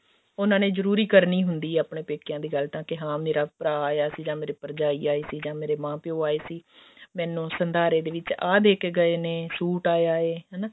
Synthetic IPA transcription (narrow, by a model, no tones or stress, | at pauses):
ʊnãːneːzəɾuːɾiːkəɾniːɦʊnd̪iːaːpɳẽːpeːkjãːd̪iːɡəlt̪ãːkɪɦãːmeːɾaːpɾaːaːjaːsiːd͡ʒãːmeːɾeːpəɾd͡ʒaːiːaːeːsiːd͡ʒãːmeːɾeːmãːpɪoːaːeːsiːmɛ̃ːnũːsənd̪ʱaːɾeːd̪eːʋɪt͡ʃaːd̪eːkeɡəeːneːsuːʈaːeaːeːɦɛːnaː